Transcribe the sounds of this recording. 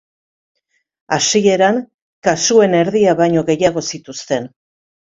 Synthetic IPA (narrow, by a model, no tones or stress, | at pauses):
asie̞ɾaŋ | kasue̞ne̞ɾðiaβajɲo̞ɣe̞jaɣ̞o̞sit̪ust̪e̞n